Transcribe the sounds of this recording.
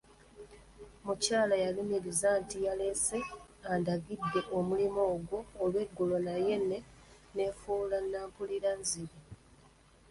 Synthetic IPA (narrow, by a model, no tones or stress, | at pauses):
mucaːlajalumiɾizaːntijale̞se̞ | andaɡidːe̞ʔomulimo̞ːɡwo̞ːlwe̞ɡːolo̞naje̞ne̞ | ne̞ːfuːlanːaːmpuliɾanziɾi